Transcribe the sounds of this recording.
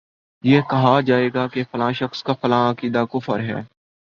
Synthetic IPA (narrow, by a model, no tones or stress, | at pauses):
jeːkɐɦad͡ʒaːeːɡaːkefɐlãːʃəxskafɐlãːaːkiːd̪akʊfə̰ɾɦɛ̰ː